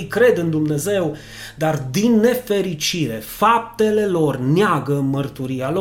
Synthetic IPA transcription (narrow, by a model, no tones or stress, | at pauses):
jkɾe̞d̪ɨnd̪umne̞ze̞w | d̪ard̪inːe̞fe̞ɾit͡ʃiɾe̞fap̚t̪e̞le̞lo̞rnɪaɡəɨnmərt̪uɾialo